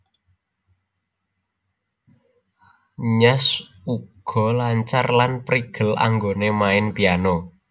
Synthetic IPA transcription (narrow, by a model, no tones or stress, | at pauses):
ɲasuɡ̥ɔ̤laɲt͡ʃarlanpɾiɡ̥əla̰ŋɡonemaɪnpiano